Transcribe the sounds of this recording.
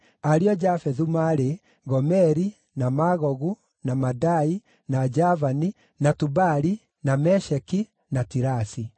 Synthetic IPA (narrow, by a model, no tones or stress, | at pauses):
aɾiɔd͡ʒafɛðumaɾe | ɣɔmɛɾi | namaɣɔɣu | namadai | nad͡ʒavani | natubaɾi | namɛʃɛki | natiɾasi